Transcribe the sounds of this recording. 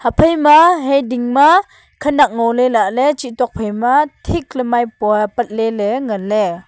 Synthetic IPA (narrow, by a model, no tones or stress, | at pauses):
hapʰəjmaɦɛjdiŋma | kʰənak̚ŋɔwlɛlaʔlɛt͡ʃitɔk̚pʰəjmatʰik̚lɛmajppɐt̪̚lɛlɛŋalɛ